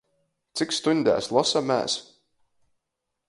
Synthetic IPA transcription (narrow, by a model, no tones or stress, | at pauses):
t̪sikst̪uɲʲd̪æ̰ːslˠɔsamæ̰ːs